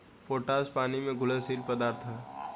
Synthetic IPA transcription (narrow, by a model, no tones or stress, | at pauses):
poːʈaːspaːnimẽɡʱʊlesiːlpəd̪aːɾt̪ʰɦɛː